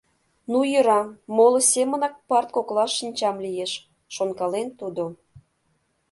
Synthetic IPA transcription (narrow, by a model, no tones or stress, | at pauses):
nujøɾɑːolosʲemənɑk̚pɑrt̪̚koklɑʃːinʲt͡ɕɑmlijeʃ | ʃonkɑlent̪ud̪o